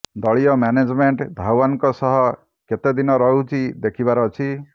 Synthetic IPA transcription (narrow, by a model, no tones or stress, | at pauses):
d̪ɔɭijɔmjaned͡ʒmeɳʈb̪ʱawankɔsɔɦɔ | ket̪ed̪inɔɾɔɦut͡ʃʰid̪ekʰibaɾɔt͡ʃʰi